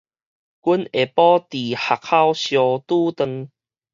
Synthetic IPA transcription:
ku˦ne˨pɔ˦t̪i˨ha˨k̚ha˥˧wɕjɔ˧t̪u˦t̪ə˧ŋ

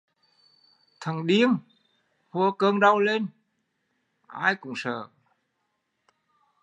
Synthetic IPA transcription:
t̪ʰə˨˩ŋɗi˧əŋ | hu˧əkəː˧ŋɗa˧wle˧n | ʔa̰ː˧jkʊ̰˨˧˩ŋ͡msə̰ː˧˩

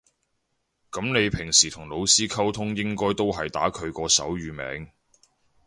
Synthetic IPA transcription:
kɐ˨˥mne˨˧jpʰɪ˨˩ŋsiː˨˩t̪ʰʊ˨˩ŋlo˨˧wsiː˥kʰɐ˥wt̪ʰʊ˥ŋjɪ˥ŋkɔː˥jt̪o˥wɦɐ˨jt̪aː˨˥kʰɵ˨˧ɥkɔː˧sɐ̰˨˥wɥyː˨˧mɛ̰ː˨˥ŋ

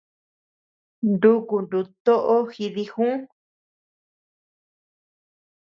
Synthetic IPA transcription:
nd̪u˦ku˨nd̪u˧t̪o˦ʔo˦xi˧ði˧xũ˦

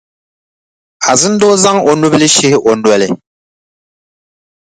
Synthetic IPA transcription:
a˨zɨ˦n˦do˦za˦ŋo˨nu˦bɨ˦lɪ˦ʃɪ˦hɪ˦ʔo˨nwɛ˦lɪ˨

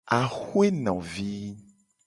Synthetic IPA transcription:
a˨xu˦e˦nɔ̃˨vi˦

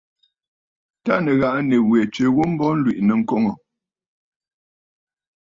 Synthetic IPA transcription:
ta˦nə˨ɣa˨ʔne˨wɛ˨t͡ʃe˨ɣo˦m̩˦bɔ˦n̩˦lwi˨ʔnə˨ŋ̩˦ko˦ŋɔ˨

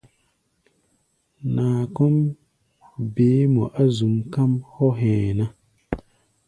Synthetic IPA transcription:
naː˨kɔ˦m | beː˨˦mɔ˨ʔa˦zu˨mka˦mhɔ˦ɦɛ̃ː˨na˦

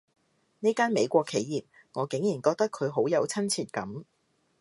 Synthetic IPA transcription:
niː˥kaː˥nme˨˧jkʷɔː˧kʰːe˨˧jjiː˨p̚ | ŋɔː˨˧kɪ˨˥ŋjiː˨˩nkɔː˧k̚t̪ɐ˥kʰːɵ˨˧ɥɦo˨˥wjɐ˨˧wt͡sʰɐ˥nt͡sʰiː˨˧t̚kɐ˨˥m

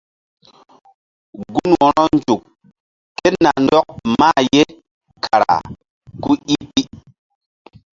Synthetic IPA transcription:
ɡu˦nwɔ˨ɾɔ˦nd͡ʒu˨k | kːe˦tna˨ndɔ˦k̚ma˦je˦ | kʰa˨ɾa̰˨ | ku˦i˦i˦

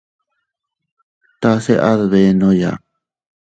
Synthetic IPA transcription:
t̪a˧se˦ʔa˦ðβe˧nõ˦ja̰˨

